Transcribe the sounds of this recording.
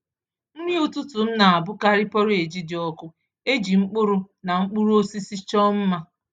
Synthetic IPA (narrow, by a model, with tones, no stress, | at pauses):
n̩˦ɲi˦o˨tʊ˦tʊ˨m̩˦na˨a˨bʊ˦ka˦ɾɪ˦pɔ˦ɾe˨d͡ʒi˦dɪ˨ɔ˦kʊ˦ | e˦d͡ʒi˨ŋ͡m̩˦k͡pʊ˦ɾʊ˦ | na˨ŋ͡m̩˦k͡pʊ˦ɾu˦o˦si˦si˦t͡ʃɔ˦m̩˦ma˦